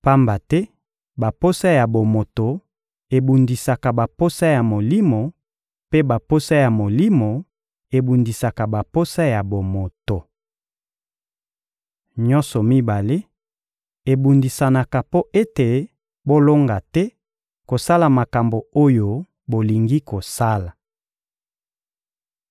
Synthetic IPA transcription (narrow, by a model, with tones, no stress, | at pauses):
pa˦mba˨tɛ˦ | ba˨po˦sa˦ja˨bo˨mo˨to˨ | e˨bu˨ndi˨sa˨ka˨ba˨po˦sa˦ja˨mo˨li˦mo˨ | pe˦ba˨po˦sa˦ja˨mo˨li˦mo˨ | e˨bu˨ndi˨sa˨ka˨ba˨po˦sa˦ja˨bo˨mo˨to˨ | ɲɔ˦nsɔ˨mi˦ba˨le˦ | e˨bu˨ndi˨sa˨na˨ka˨po˦ʔe˦te˨ | bo˦lo˦ŋɡa˨tɛ˦ | ko˨sa˦la˨ma˨ka˨mbo˨o˦jo˦ | bo˨li˨ŋɡi˦ko˨sa˦la˨